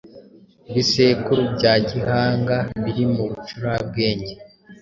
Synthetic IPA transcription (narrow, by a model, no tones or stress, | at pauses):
βise̞ːkuɾubɟaːɟihaːŋɡaβiɾimuβut͡ʃuɾab̚ɡeːɲɟe